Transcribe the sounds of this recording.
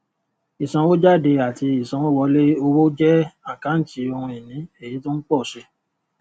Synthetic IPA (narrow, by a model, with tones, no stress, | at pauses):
i˨sã˧wo˦d͡ʒa˦˨de˧a˨ti˧i˨sã˧wo˦wɔ˧le˦o˧wo˦d͡ʒɛ˦ã˦˨kã˨˦n̩˦ti˨˧˦o˧hũ˧e˨nĩ˨˦e˦˨ji˨˦to˦n̩˦k͡pɔ˦˨ʃe˧